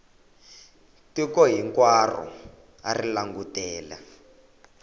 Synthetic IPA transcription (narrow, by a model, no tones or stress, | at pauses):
tikɔɦiŋkwarɔ̰ | arilaŋɡutɛːlɛ̰